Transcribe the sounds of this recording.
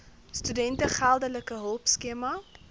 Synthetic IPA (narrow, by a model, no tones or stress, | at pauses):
stydɛntəχælˠdələkəɦəlˠpskiəmɐ